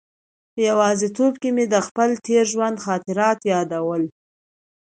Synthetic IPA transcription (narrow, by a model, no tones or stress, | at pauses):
pəjawɑzet̪obkemed̪əxpəlt̪ʰeɾʒwand̪xɑt̪ɪɾɑt̪jɑd̪awəl